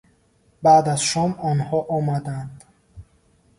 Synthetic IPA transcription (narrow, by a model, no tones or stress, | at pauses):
baːd̪azʃɔmɔnhɔʔɔmad̪and̪